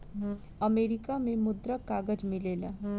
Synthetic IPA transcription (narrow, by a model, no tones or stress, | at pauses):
əmeɾikamẽmʊd̪ɾəkːaɡəd͡ʒmilela